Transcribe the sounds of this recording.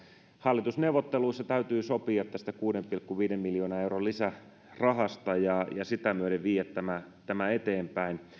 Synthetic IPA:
hɑlːit̪usneuʋot̪ːeluisːɑt̪æyt̪yːsopiɑt̪ːæst̪ækuːdempilkːuʋiːdemːiljoːnɑeurolisæ | rɑɦɑst̪ɑjɑjɑsit̪æmyøɾeʋʋiːjæt̪tæmæt̪æmæet̪eːmpæin

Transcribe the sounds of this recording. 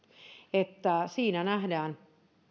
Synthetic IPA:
et̪ːæsiːnænæhdæːn

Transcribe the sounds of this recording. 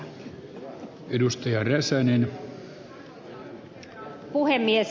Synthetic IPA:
edust̪ɑjɑræsænen | puhemːies

